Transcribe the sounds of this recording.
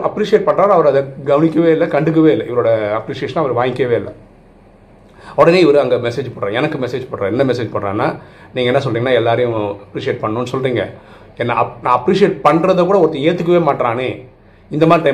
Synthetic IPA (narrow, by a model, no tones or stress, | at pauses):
ɐpːɾiːsɪeːʈ̚pɐɳɾaːɾɐʋɐɾɐðɐɡɐʋɐnɪkʲːɐʋeːɪlːɐkɐɳɖɯk̬ːɯʋeːɪlːɐʔɪʋɐɾoːɽɐɐpɾiːʂɪjeːʂɐnːɐʋɐɾɯʋaːjɪkːɐʋeːɪlːɐ̰ | ɔɽɐneːɪʋɐɾɯɐŋɡɐmɛseːd͡ʒpɐɽɾã̰ɛnɐkːɯmɛseːd͡ʒpɐɳɾẽːɛnːɐmɛseːd͡ʒpɐɳɾã̰ːnaː | niːŋɡɐɛnːɐs̬ɔlriːŋɡɐnːaːɛlːaːɾɐjʊ̃ɐpɾiːsɪeːʈ̚pɐɳːʊːnːɯsɔlɾiːŋɡɐ̰ | ɛnːɐɐnãːɐpɾiːʂɪeːʈ̚pɐɳɾɐðɐkuːɽɐɔɾɐt̪ːɐ̃eːt̪ːɯk̬ːɯʋeːmaːʈːɾaːneː | ɪnd̪ɐmaːd̪ɾɪʈɐɪ